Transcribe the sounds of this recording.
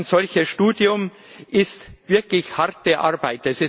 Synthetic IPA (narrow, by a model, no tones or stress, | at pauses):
nz̥ɔlçəsʃtuːdjʊm | ʔɪstv̥ɪɐklɪçhaʁt̚d̥ɛɐʔaɐbaɪtɛsɪ